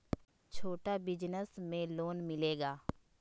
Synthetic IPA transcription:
t͡ʃʰoːʈabɪd͡ʒnəsmẽloːnmɪleːɡaː

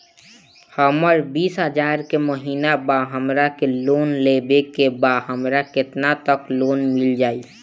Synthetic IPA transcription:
həməɾbiːsɦəd͡ʒaːɾkeməɦiːnabaɦəmɾakeloːnlebekebaɦəmɾakɪt̪nat̪əkloːnmɪld͡ʒaːi

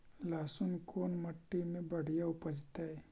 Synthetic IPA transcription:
laːsunkʰoːnmɐʈːimẽbɐɽ̤ijaʊpəd͡ʒt̪ae

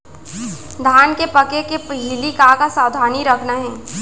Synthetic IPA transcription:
d̪ʱaːnkepɐkekepəɦilikakasaːd̪ʱaːniɾəkʰnaɦɛ̃ː

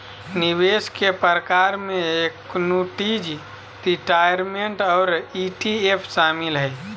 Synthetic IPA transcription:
niʋeskepəɾəkaɾmẽeknoːʈid͡ʒ | ɾiʈajəɾmeɳʈɔːɾiʈiepʰʃamɪlɦəj

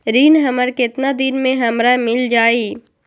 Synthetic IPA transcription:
ɾiːnɦɐməɾkɪt̪nad̪ɪnmẽɦɐmɾamɪld͡ʒaːiː

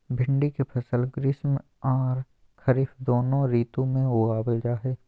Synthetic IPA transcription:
bʱɪ̃ɳɖikepʰɐsəlɡɾɪsm | aːɾ | kʰɐɾɪfd̪oːnõɾiːt̪õmẽoɡaːbəld͡ʒaːɦeː

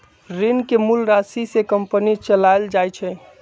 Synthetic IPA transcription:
ɾinkemulɾasisekəmpənit͡ʃəlajld͡ʒajt͡ʃʰɛ

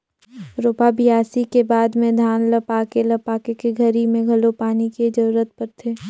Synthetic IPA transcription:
ɾoːpabɪjaːsikebaːd̪mẽd̪ʱaːnləpaːkelɐpaːkekeɡʱɐɾimẽɡʱɐlopaːniked͡ʒɐɾuɾət̪̚pəɾt̪ʰeː

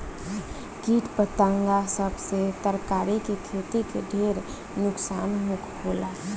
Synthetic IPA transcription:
kiːʈpət̪ãŋɡasəbset̪əɾkaːɾikekʰeːt̪ikeɖʱeːɾ | nʊksaːnmʊkʰkʰoːla

